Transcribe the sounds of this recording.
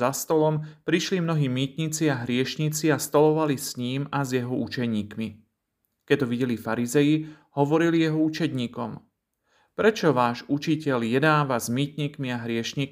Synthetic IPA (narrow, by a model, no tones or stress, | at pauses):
ast̪ɔlɔmpɾiʃlimnɔɦiːmiːt̪ɲit͡siaɦɾɪɛʃɲit͡siast̪ɔlɔʋalisɲiːmazjɛɦɔut͡ʃɛɲiːkmi | kɛc̪ːɔʋiɟɛlifaɾizɛji | hɔʋɔɾilijɛɦɔut͡ʃɛd̪ɲiːkɔm | pɾɛt͡ʃɔʋaːʒut͡ʃicɛʎjɛd̪aːʋazmiːt̪ɲiːkmiaɦɾɪɛʃɲiː